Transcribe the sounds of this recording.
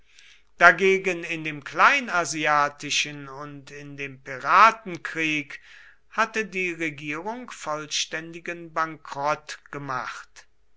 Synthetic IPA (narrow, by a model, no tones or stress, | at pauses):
d̥aɡeːɡənɪndeːmklaɪnaziaːtɪʃənʊntɪndeːmpiʁaːtn̩kʁ̥iːk | hatədiːʁeɡiːʁʊŋkfɔlʃtɛndɪɡənbaŋkʁ̥ɔtɡ̥əma̰χt